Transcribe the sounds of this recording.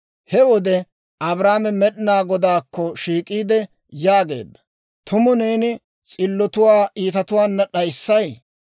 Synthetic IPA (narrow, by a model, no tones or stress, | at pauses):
hɛwɔd̪ɛ | ɐbɾaːmɛmɛɗɪnaːɡɔd̪aːkːɔʃiːkʼiːd̪ɛ | jaːɡe̞̰ːd̪ːɐ̥ | t̪ʊmʊneːnɪ | t͡sʼɪlːɔt̪ʊwaːʔiːt̪ɐt̪ʊwaːnːɐɗɐjsːɐj